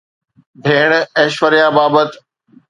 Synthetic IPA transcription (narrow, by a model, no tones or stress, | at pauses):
b̪ʱeːɽ̃ɛʃʋəɾjaːbaːbət̪